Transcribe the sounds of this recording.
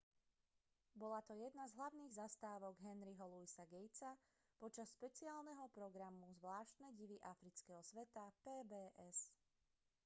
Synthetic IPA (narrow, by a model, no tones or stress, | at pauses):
bɔlat̪ɔjɛd̪nazɦlaʊniːɣzast̪aːʋɔɡɦɛnɾiɦɔluisaɡɛjt͡sa | pɔt͡ʃasʃpɛt͡siaːlˠnɛɦɔpɾɔɡɾamuzʋlaːʃt̪nɛɟiʋiʔafɾit͡skɛɦɔsʋɛt̪apɛːbɛːʔɛs